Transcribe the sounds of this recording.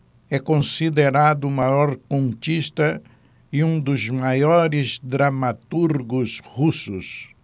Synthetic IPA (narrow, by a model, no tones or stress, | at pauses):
ɛkõsid̪eɾad̪ʊmajɔɾkõnt͡ʃist̪ɐ | ɪũd̪ʊzmajɔɾɪzd̪ɾamat̪uɾɡʊzhusʊs